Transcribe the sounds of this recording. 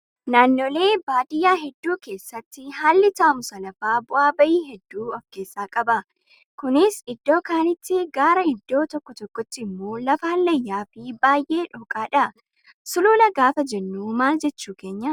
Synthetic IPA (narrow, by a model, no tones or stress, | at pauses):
naːnːoːle̞ːbaːd̪ɪjaːɦɛd̪ːuːke̞ːsːɐt̪ːɪɦaːlːɪt̪aːmʊsɐlɐfaːbʊʔaːbɐʔiːɦɛd̪ːuːɐfke̞ːsːaːkʼɐbɐ | kʊnɪsɪd̪ːo̞ːkaːnɪt̪ːɪɡaːɾɐɪd̪ːo̞ːt̪ɔkːɔt̪ɔkːɔt̪ːɪɪmːoːlɐfɐɐlːɐjːaːfɪbaːjʔe̞ːᶑɔːkʼaːᶑɐ | sʊluːlɐɡaːfɐd͡ʒɛnːuːmaːld͡ʒɛt͡ʃːuːke̞ːɲːɐ